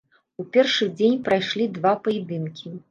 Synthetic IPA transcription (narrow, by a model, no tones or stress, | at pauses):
upʲɛrʂɨd͡zʲenʲpɾajʂlʲid̪vapɐjɛd̪ɨnkʲʰi